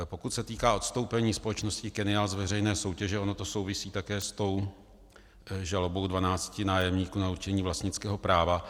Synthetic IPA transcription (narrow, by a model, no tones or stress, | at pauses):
po̞kut̪sɛt̪iːkaːo̞t̪st̪o̞wpɛɲiːspo̞lɛt͡ʃnoscɪkɛnɪaːlzvɛrɛjnɛːso̞wcɛʒɛo̞no̞t̪o̞so̞wvɪsiːt̪akɛːst̪o̞w | ʒalobo̞wdvanaːt͡scɪnaːjɛmɲiːkuːnauɾt͡ʃɛɲiːvlast̪ɲɪt͡skɛːɦo̞pɾaːva